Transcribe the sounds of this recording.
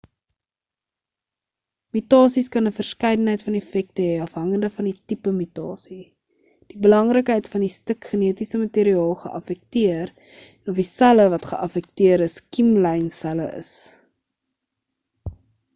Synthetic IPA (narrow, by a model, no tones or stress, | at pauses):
mytɑːsiskɐnəfərskɛjdənɦəjtfɐnɛfɛk̚təɦɛɐfɦɐŋəndəfɐnditipəmytɑːsi | d̥ibəlɐŋrəkɦəjtfɐndistəkχəniətisəmɐtiːɾiɑːlˠχə̰ʔɐfɛk̚tiər | ɛnɔfdisæləvɐtχə̰ʔɐfɛk̚tiəɾəskimlɛjnsæləʔə̰s